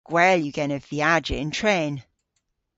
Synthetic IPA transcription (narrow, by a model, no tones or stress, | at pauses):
ɡ̥wɛːljəɡɛnəvviad͡ʒɪɪ̃ntʰɹ̥ẽːn